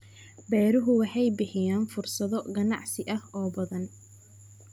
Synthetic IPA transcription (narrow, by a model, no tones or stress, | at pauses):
bɛːɾʊɦʊwɑħɑjbɪħɪjaːnfʊrsɐðɔɡɐnɑ̰ʕsɪʔɐhɔːbɐðɐn